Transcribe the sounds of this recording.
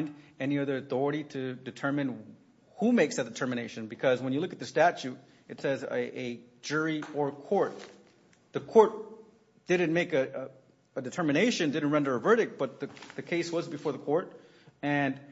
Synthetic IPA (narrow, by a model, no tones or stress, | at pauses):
ndɛniʌðə˞ɨθɔɹɨɾiɾɨdɨtʰɜ̃˞mɨ̃n | humeɪksðɨt̚d̥ɨtʰɜ˞mɨneɪʃɨ̃nbɨkʰʌzwə̃njɨlʊkɨt̪̚ðɨstæt͡ʃʉɾ | ɨtsɛzʔɨ | d͡ʒʊɹiə˞kʰɔɹt̪̚ | ðɨkʰɔɹt̪̚ | d̥ɪdⁿn̩meɪkɨ | ədɨtʰɜ˞mɨneɪʃɨ̃ndɪdⁿn̩t̚ɹɛ̃ndə˞ɨvɜ˞ɾɨk̚t̚b̥ʌt̪̚ðɨðɨkʰeɪswʌzbɨfɔɹðəkʰɔɹɾ | ɨ̃n